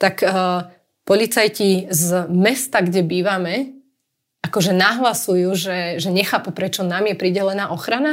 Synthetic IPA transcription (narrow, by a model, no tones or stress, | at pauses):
t̪akː | pɔlit͡sajcizmɛst̪aɡɟɛbiːʋamɛ | ʔakɔʒɛnaɦlasujuːʒɛʒɛɲɛxaːpupɾɛt͡ʃɔnaːmjɛpɾiɟɛlɛnaːʔɔxɾana